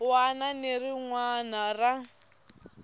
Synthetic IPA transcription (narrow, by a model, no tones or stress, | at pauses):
wananeriŋwanara